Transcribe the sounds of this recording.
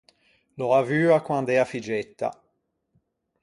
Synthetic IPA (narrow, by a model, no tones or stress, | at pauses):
loavyːakwand̪ɛafid͡ʒɛt̪ːa̰